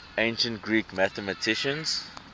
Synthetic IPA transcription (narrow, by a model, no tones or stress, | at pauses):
ẽɪ̃nʃə̃nt̚ɡɹiːkmæθəmətʰɪʃə̃nz